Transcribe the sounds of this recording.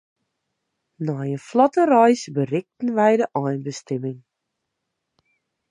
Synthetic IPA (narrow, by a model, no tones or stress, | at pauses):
nɔjəflɔtərœjsbərɪk̚tən̩ʋɛjdəʔɔjnbəstɛmɪŋ